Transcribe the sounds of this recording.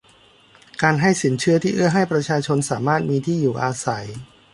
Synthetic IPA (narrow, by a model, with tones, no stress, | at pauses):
kaː˧nɦa˥˩jsi˩˦nt͡ɕʰɯ˥˩ɐt̪ʰiː˥˩ʔɯ˥˩ɐɦa˥˩jpɾa˧t͡ɕʰaː˧t͡ɕʰo˧nsaː˩˦maː˥˩t̪̚miː˧t̪ʰiː˥˩juː˨˩ʔaː˧sa˩˦j